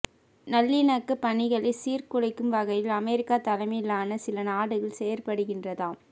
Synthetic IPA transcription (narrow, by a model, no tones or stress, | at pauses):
nɐlːɪnɐkːɯpːɐnɪɣɐɭɪsiːrkʊɻɐɪkːɯmʋɐɣɐjɪlɐmɛɾɪkːaːt̪ɐlɐmɪjlaːnɐsɪlɐnaːɽɯɣɐɭsɛjɐɾpɐɽɯɣɪndrɐðaːm